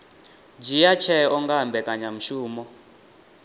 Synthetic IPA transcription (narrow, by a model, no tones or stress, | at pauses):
d͡ʒijat͡ʃʰɛɔŋɡaɦambɛkʼaɲam̩ʃuːmɔ